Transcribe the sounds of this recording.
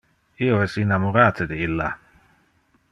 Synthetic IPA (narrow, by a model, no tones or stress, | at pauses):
ioɛsinamoɾaːt̪ed̪eilːa